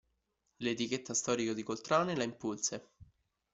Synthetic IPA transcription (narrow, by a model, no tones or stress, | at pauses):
let̪iket̪ːast̪ɔːɾikod̪ikolt̪ɾaːnelaimpulse